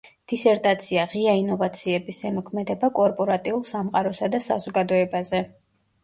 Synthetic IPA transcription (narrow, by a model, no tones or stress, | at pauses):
d̪̥isɛɾt̪ʼat̪sʰiaʁiainɔvat̪sʰiɛbisɛmɔkʰmɛd̪ɛbakʼɔɾpʼɔɾat̪ʼiulˠsamqʼaɾɔsad̪asa̰zɔɡad̪ɔɛbazɛ